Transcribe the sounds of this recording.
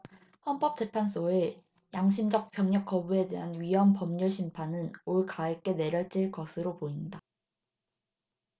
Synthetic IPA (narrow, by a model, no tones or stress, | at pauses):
hʌnp͈ʌp̚t͡ɕ͈e̞pʰans̬͈ʰoɯ | jaŋɕʰimd͡ʑʌk̚p͈jʌŋɲʌk͈̚ʌbue̞de̞̰ɦanɥiɦʌmpʌmɲuɭɕʰimpʰanɯnoɭkaek͈e̞ne̞ɾjʌɭt͡ɕ͈iɭkʌsʰɯɾopoinda